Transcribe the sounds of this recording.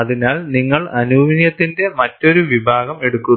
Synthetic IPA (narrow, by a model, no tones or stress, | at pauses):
ɐðinaːlniŋːɐɭɐnubʱɐmɐnjɐt̪ːinde̞mɐtːo̞ɾuʋibʱaːɣɐme̞ɽukːun